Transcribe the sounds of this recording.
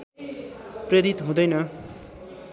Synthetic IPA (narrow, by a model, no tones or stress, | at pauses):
preɾit̪ɦũd̪ʌjnʌ